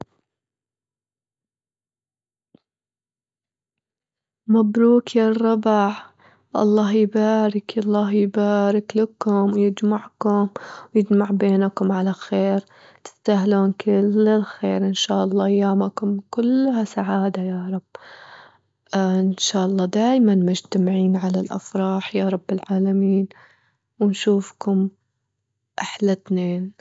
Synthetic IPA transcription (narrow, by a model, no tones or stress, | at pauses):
mabɾuːkjarˤːɑbɪʕ | ʔɑ̰lˤːɑːhjbaːɾɪkʔɑlˤːɑːɦjbaːɾɪklakʊmwjɪd͡ʒmaʕkʊmjɪd͡ʒmaʕbeːnakʊmʕalaxeːɾ | t̪ɪ̥st̪aɦloːnkʰɪlːɪlxeːɾʔɪnʃaːʔɑlˤːɑːʔajːaːmakʊmkʊlːhasaʕaːd̪ajaːɾˤɑb̥ː | ʔɪnʃaːʔɑlˤːɑːd̪aːjmanmʊd͡ʒt̪amʕiːnʕalalʔa̰fɾˤɑːħjaːɾˤɑbːɪlʕaːlamiːn | wɪnʃuːfkʊm | ʔaħlat̪neːn